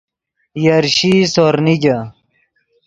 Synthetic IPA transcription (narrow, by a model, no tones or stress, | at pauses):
jɐɾɕisoɾnid͡ʑɐ